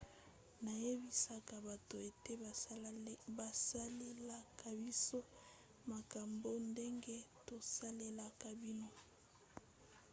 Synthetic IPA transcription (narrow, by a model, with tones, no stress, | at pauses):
na˨je˦bi˦sa˨ka˨ba˨to˨e˨te˦ | ba˨sa˦le˦la˦˨ka˨bi˦so˦ | ma˨ka˨mbo˦nde˦ŋɡe˦to˨sa˦le˦la˨ka˨bi˦no˦